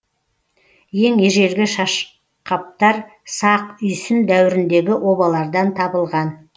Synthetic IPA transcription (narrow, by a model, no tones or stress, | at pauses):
je̞ŋeʒe̞ɾɡʲɪʃɑʃ | qɑp̚t̪ɑɾsɑqʏjsɪnd̪æwɪɾɪnd̪e̞ɡʲɪʔo̞bɑlˠɑɾd̪ɑnt̪ʰɑbəlˠʁɑn